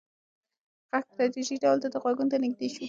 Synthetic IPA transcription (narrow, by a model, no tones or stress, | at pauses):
ɣakst̪ɾat̪iʒiɖawld̪ad̪əɣwaɡunt̪anɪɡ̚d̪eʃu